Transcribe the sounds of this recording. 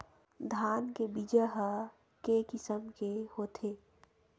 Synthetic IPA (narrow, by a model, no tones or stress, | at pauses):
d̪ʱaːnkebid͡ʒəɦə | kekɪsəmkehot̪ʰe